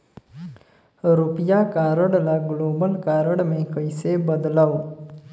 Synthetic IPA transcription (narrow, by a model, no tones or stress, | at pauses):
ɾupjakaːɾəɽlaɡloːbəlkaːɾəɽmekəjsebəd̪law